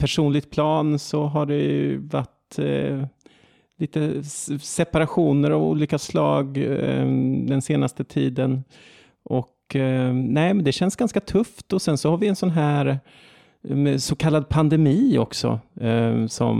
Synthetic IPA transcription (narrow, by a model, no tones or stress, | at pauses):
pʰæʂuːnlɪɡ̚t̪̚pʰlɑːnsɔɦaɖɛjɵ̰va̰ʈ | liːt̪əsɛpaɾaɧuːnəɾavṵːliːkaslɑːɡ | d̪ɛnseːnast̪ət̪ʰiːd̪ən | ʔɔk | nɛːmɛnd̪ɛɕɛnsɡansɡat̪ʰɵft̪ɔsɛnsɔhaɾvɪɛnsɔnɦæːɾ | sɔkʰalːad̪̚pʰand̪ɛmiːɔ̰ksɔ̰ | sɔ̰m